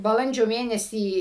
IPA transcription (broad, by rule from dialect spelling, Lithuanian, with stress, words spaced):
bɐˈlˠɐnʲd͡ʒʲoː ˈmʲeːnʲɛsʲiː